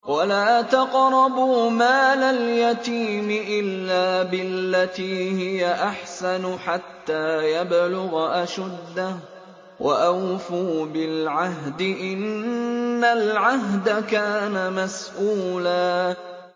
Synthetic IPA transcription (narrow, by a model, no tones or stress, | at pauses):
walaːʔt̪aqɾˤɑbuːmaːlaljat̪iːmɪʔɪlːaːbɪlːat̪iːhɪjaʔaħsanʊħat̪ːaːjablʊɣʔaʃad̪ːah | waʔawfuːbɪlʕaɦd̪ɪʔɪnː | alʕaɦd̪akaːnamasʔuːlaː